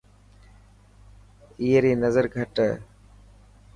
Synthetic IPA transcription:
iːɦɾiːnəzəɾɡʱəʈə

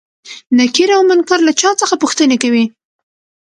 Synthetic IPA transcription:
nakiɾawmankaɾlat͡ʃɑt͡səxapuxt̪ənekawi

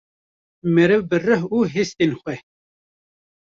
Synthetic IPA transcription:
mɛɾɨvbɨrɨɦuːɦest̪enxʷɛ

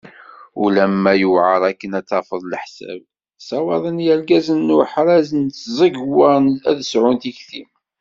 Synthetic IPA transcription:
ulæmːæjuvʕəɾˤækːənæt͡sːɑfəðˤləħsæ̰b | sɑwɑðˤənjælɡæzənːʊħɾˤæzənzˤəɡwənæðəsʕʊnt̪içθim

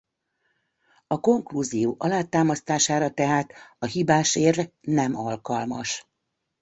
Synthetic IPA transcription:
ɒko̞ŋkluzijoːʔɒlaːt̪aːmɒst̪aːʃaːɾɒt̪ɛɦaːt̪ɒɦibaːʃeːrnɛmɒlkɒlmɒʃ

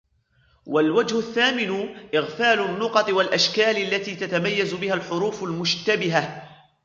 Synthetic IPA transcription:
walwad͡ʒhʊθːaːmɪnʊʔɪɣfaːlʊnːʊqɑt̪ˤɨwalʔaʃkaːlalːat̪iːt̪at̪amajːazʊbɪhalħʊɾuːfʊlmʊʃt̪abɪɦa

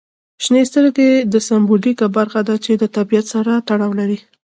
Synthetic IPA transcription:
ʃnest̪əɾɡed̪əsambolikabaɾxad̪at͡ʃed̪ət̪abijat̪saɾat̪aɽawlaɾi

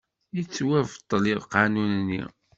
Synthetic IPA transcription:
jit͡sːwævt̪ˤːliðqanunnːḭ

